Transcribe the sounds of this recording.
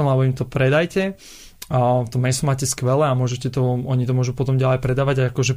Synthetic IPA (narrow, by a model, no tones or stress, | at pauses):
ɛnlɛbɔimt̪ɔpɾɛd̪ajcɛ | ft̪ɔmːɛsumaːcɛskʋɛlɛamʊɔʒɛcɛt̪ɔɔɲit̪ɔmʊɔʒupɔt̪ɔmɟalɛjpɾɛd̪aːʋaɟaakɔʒɛ